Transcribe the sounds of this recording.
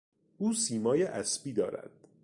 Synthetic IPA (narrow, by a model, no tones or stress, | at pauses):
ʔuːsiːmɒːjeʔæsbiːd̪ɒːɾæ̰d̪̥̚